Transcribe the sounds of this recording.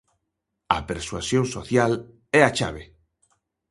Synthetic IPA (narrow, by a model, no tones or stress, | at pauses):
ɐ̰peɾswasjõŋso̰θjal | ɛat͡ʃaβe